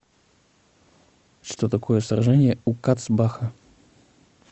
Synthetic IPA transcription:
ʂt̪ot̪ɐkʰojəsɾɐʐɛnʲɪjəukat̪sbaxə

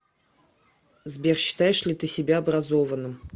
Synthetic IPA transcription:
zbʲerɕːɪ̥t̪ajɪʂlʲɪt̪ɨsʲɪbʲaɐbɾɐzovənːɨm

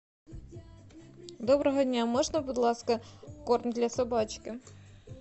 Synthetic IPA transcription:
d̪ɔbɾɔɦɔdʲnʲamɔʒnɐbʊd̪lˠɑskɐkɔrmʲd̪ʲlʲɐsɔbɑt͡ʃkɪ

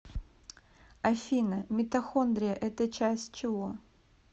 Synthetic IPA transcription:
ɐfʲinəmʲɪt̪ɐxond̪ɾʲɪjəʔɛt̪ət͡ɕæsʲtʲt͡ɕɪvo

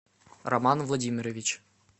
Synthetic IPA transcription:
rɐmanvlˠɐdʲimʲɪɾəvʲɪt͡ɕ

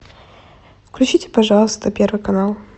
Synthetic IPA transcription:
klʲʉt͡ɕitʲɪ̥pɐʐɑlˠəst̪əpʲe̞rvɨjkɐnalˠ

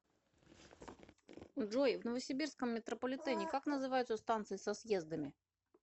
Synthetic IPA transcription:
ʐojvnəvəsʲɪbʲirskəmːʲɪt̪ɾəpəlʲɪt̪ɛnʲɪkaknəzɨvajʊt̪səst̪ant̪sɨɪsɐsje̞zd̪əmʲɪ

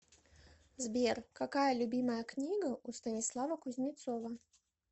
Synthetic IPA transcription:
zbʲɛrkakajɐlʲubʲimɐjɐknʲiɡɐʔust̪ɐnʲislˠavɐkʊzʲnʲɪt̪sɔvɐ

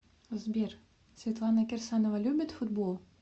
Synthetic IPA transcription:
zbʲer | svʲet̪lˠɑnəkʲersɑnovalʲubʲɘt̪fud̪bolˠ

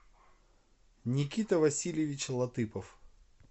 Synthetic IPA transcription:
nʲɪkʲit̪əvɐsʲilʲjɪvʲɪt͡ɕlˠɐt̪ɨpəf

